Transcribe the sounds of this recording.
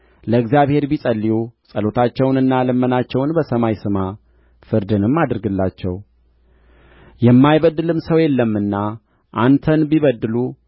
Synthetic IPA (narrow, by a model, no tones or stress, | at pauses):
ləɨɡzijaβhe̞ɾbisʼəlːijusʼəlo̞t̪ʰat͡ʃːɛwnɨnːalɨmːənat͡ʃːɛwnbəsəmajsɨma | fɨɾd̪ɨnɨmːad̪ɨɾɡɨlːat͡ʃːɛ̰w | jɛmːajβəd̪ːɨlɨmsəwjɛlːəmːɨnːa | ʔant̪ʰənbiβəd̪ːɨlu